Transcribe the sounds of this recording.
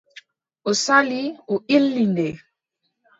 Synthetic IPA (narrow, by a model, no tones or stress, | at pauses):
osalioʔilːinde